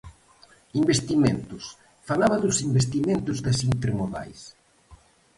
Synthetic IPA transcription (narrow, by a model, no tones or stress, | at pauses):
imbest̪iment̪ʊs | falaβɐðʊsimbest̪iment̪ʊzðɐsint̪eɾmoða̰js